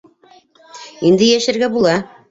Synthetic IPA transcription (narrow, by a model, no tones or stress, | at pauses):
ind̪ɘ̆jæʃɘ̆ɾɡæbulˠɑ